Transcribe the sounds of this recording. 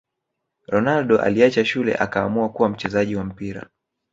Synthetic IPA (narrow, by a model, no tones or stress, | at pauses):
ɾɔnalɗɔʔa̰liat͡ʃaʃulɛ̰ʔakaːmuakuwam̩t͡ʃɛzaʄiwam̩piɾa̰